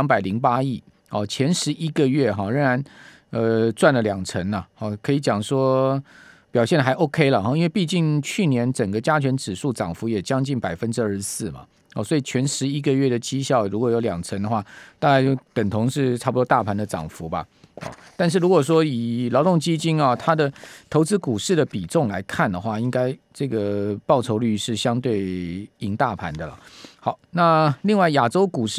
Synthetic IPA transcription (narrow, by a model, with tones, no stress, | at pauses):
ŋpa˨˩ɪli˧˥ŋpa˥i˥˩ | hɔ˥˩t͡ɕʰjɛ˧˥nʂɻ̩˧˥ʔi˥ɡə˨ɥɛ˥˩ɦɑ˥˩ɻə˧˥ŋɻa˧˥n | ə˧t͡swa˥˩nlə˨ljɑ˨˩ŋt͡sʰə˧˥nə˨xɔ˥˩kʰɤ˧˥i˧˥t͡ɕjɑ˨˩ŋʂwɔ˥ | pjɑ˨ʊɕjɛ˥˩nə˩xa˧˥ɪʔo˥ʊkʰe˥ɪlə˨xɑ˥˩i˥nwpi˥˧t͡ɕi˥˩ŋt͡ɕʰy˥˩njɛ˧˥nʈ͡ʂə˨˩ŋɡə˦t͡ɕja˥t͡ɕʰɥɛ˧˥nʈ͡ʂɻ̩˨˩ʂu˥˩ʈ͡ʂɑ̰˨˩ŋfu˧˥jɛ˨˩t͡ɕjɑ˥ŋt͡ɕi˥˩npa˨˩ɪfə˦nʈ͡ʂɻ̩˥ə˞˥˧˩ʂsɹ̩˥˩mɐ̰˩ | hɔ̰˥˨˩swɔ˧˥i˨˩t͡ɕʰɥɛ˧˥nʂɻ̩˧˥i˥ɡə˨ɥɛ˥˩d̪ə˩t͡ɕi˥ɕjɑ˥˩ʊɻu˧˥kwɔ˨˩jo˧˥ljɑ˨˩ŋt͡sʰə˧˥ŋd̪ə˧xwa˥˩t̪a˥˧ka˥˧ɪt͡ɕjo˥˩ʊt̪ə˨˩nt̪ʰo˧˥ŋʂɻ̩˥˧ʈ͡ʂʰbpu˧t̪wɔ˥t̪a˥˩pʰa˧˥nd̪ə˨ʈ͡ʂɑ̰˨˩ŋfu˧˦bɐ̰˨˧ɔ̰˨˩t̪a˥˧nʂ̬̩˥˩ɻu˧˥kwɔ˨˩ʂ̬wɔ˥i˨˩lɑ˧˥ʊt̪ʊ˥˩ŋt͡ɕi˥t͡ɕi˥nɐ˨t̪ʰa˥d̪ə˨t̪ʰo˧˥ʊt͡sɹ̩˥ku˨˩ʂɻ̩˥˩d̪ə˩pi˨˩ʈ͡ʂʊ˥˩ŋla˧˥ɪkʰa˥˩nd̪ə˩xwa˥˩i˥ŋka˥ɪ | ʈ͡ʂɤ˥˩ɡə˩pɑ˥˩ʊʈ͡ʂʰo˧˥ʊly˥˩ʂɻ̩˥˩ɕjɑ˥ŋt̪we˥˩ɪi˧˥ŋt̪a˥˩pʰa˧˥nd̪ə˨lə̰˩xɑ˨˩˦ʊna˥˧li˥˧ŋwa˥˩ɪja˨˩ʈ͡ʂo˥ʊku˨˩ʂ̩˥